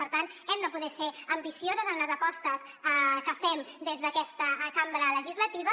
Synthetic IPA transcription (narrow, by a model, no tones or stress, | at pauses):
əɾt̪ant̪ɛmd̪əpuðɛseəmbisiozəzənləzəpɔst̪əs | kəfɛmd̪ezðəkɛst̪əkambɾələʒizlət̪iβə